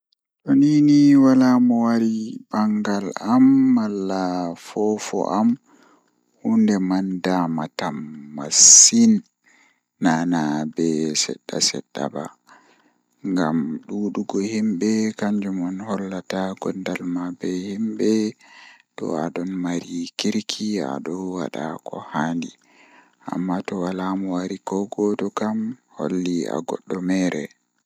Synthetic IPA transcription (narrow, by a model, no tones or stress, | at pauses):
ɗɔniniwalamɔwaɾibaŋɡalamːalːafɔfɔ̰ʔam | hundɛmandamatamːa̰sinː | anabɛsɛ̰ɗːa̰sɛ̰ɗːa̰ba̰ | ŋɡa̰mɗuɗuɡɔhimbɛkaɲd͡ʒumɔnhɔlːataɡɔndalmabɛhimbɛ | ɗɔ̰aɗɔnmaɾikiɾkʰia̰ɗɔwa̰ɗa̰kɔ̰handi | ʔa̰mːatɔwalamuwaɾikɔɡɔdɔkamho̰lːia̰ɡɔ̰ɗːɔmɛɾɛ